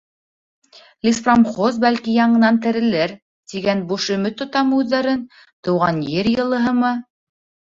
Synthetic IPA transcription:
lʲisframχozbælkijɑɴɤ̆nɑnt̪ɘ̆ɾɘ̆lɘɾ | t̪iɡænbuʃɵ̆mɵt̪ːŏt̪ɑmɤʉðːæɾɘn | t̪ŏwʁɑnjɘɾjɤ̆lˠɤ̆ɦɤ̆mɤ

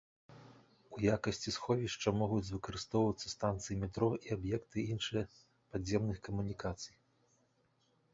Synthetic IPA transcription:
ujakɐsʲt͡sʲisxɔvʲiʂt͡ʂɐmɔɣud͡zʲvɨkɐɾɨst̪ɔwvɐt̪sːɐst̪ant̪sɨjimʲit̪ɾɔʔiabjɛkt̪ɨinʂɨjɐ | pad͡zʲːɛmnɨxkɐmunʲikat̪sɨj

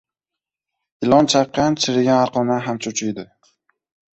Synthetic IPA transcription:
ɪlˠɒnt͡ʃʰɑqːɑnt͡ʃʰɪɾɪɡʲanaɾqɒmaɦamt͡ʃʰot͡ʃʰʊjd̪ɪ

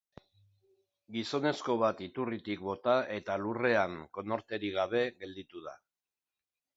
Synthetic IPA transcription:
ɡiso̞ne̞sko̞β̞at̪it̪urit̪ik̚bo̞t̪aʔe̞t̪alure̞aŋko̞no̞ɾt̪e̞ɾiɣaβ̞e̞ɣe̞ld̪it̪uð̞a̰

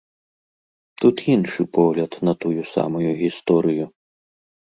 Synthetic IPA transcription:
t̪ut̪inʂɨpɔɣlʲɐt̪nɐt̪ujusa̰mɐjuɣʲist̪ɔɾɨju

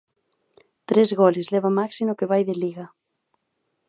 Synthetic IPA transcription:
t̪ɾezɣolezlɛβamaksimokeβajðeliɣa

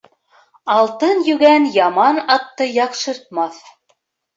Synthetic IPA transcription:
ɑlˠt̪ɤnjʉɡænjɑmɑnɑt̪ːɤjɑqʃɤ̆ɾt̪̚mɑθ

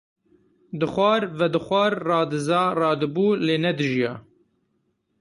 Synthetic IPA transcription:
d̪ɨxʷɑːɾvɛd̪ɨxʷɑːɾːɑːd̪ɨzɑːrɑːd̪ɨbuːleːnɛd̪ɨʒijɑː

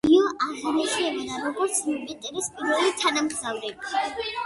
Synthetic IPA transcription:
iɔʔaʁanɛsɛbɔd̪aɾɔɡɔɾt̪sʰmɛbɛt̪ʼɛɾispʼiɾvɛlit̪ʰanamɡzavɾɛbi

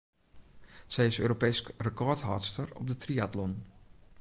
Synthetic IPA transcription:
sɛjɪsø̰ːɾopɛːskrəkɔɹtɦaːɹtstəɹɔ̰p̚dətriatlɔn

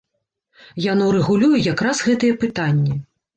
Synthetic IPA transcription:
januɾɛɣulʲujujakɾasɣɛt̪ɨjɛpɨt̪anʲːi

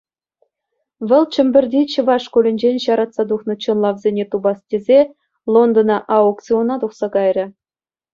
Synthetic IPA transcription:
ʋʲɤ̆lʲˠt͡ɕɘ̆mʲbʲɘ̆rʲdʲit͡ɕɤ̆ʋɑʂkulʲɘ̆nʲd͡ʑenʲɕɑɾɑt̪sɑd̪uχnɤ̆t͡ɕɤ̆nlˠɑʋzʲenʲet̪ubɑstʲezʲe | lˠond̪onɑʔɑokt͡sʲionɑt̪uχsɑɡɑjrʲɘ̆

